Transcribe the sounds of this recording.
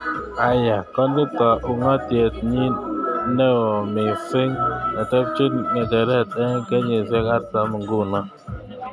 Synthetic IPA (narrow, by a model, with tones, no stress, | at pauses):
a˨ja˨kɔ˦n˦dɪ˦tɔ˨ʔu˨ŋɔ˦te˨t̚ɲi˦nɛ˦ɔ˨mi˨fɪ˦ŋɛ˨tɛ˦p̚t͡ʃu˦tŋɛ˨dɛ˨ɾɛ˦˨tɛ˦ŋ˦kɛ˦ɲe˨zjɔ˦ka˦ta˨m˨ŋ˦ɡu˦nɔ˦